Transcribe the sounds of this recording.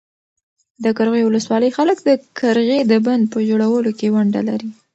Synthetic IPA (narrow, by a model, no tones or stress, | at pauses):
d̪əkaɾɣejwʊləswɑləjxaləkd̪əkʰaɾɣed̪əband̪̚pəʒoɽawəlokewaɳɖa̰la̰ɾi